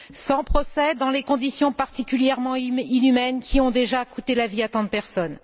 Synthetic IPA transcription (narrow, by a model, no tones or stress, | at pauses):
sɑ̃pχɔsɛd̪ɑ̃lekɔ̃d̪isjɔ̃paʁt̪ikʲyljɛʁmɑ̃inymɛnkʲiɔ̃d̪eʒakut̪elaviat̪ɑ̃d̪əpɛʁsɔn